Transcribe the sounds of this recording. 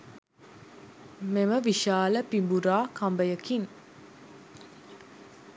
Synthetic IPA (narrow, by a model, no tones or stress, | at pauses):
meməʋiʃaːləpimbuɾaːkambəjəkiŋ